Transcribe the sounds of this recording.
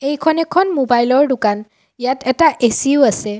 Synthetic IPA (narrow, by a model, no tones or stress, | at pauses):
ejkʰɔnɛkʰɔnmobajlɔɹdʊkan | ijatɛtaʔesiʊasɛ